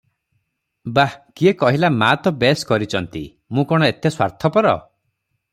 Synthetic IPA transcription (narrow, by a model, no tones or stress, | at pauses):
bakiekɔɦilamat̪ɔbeskɔɾit͡ʃʰɔnt̪ḭ | mũkɔɽ̃ɔet̪eswa̰ɾt̪ʰɔpɔɾɔ̰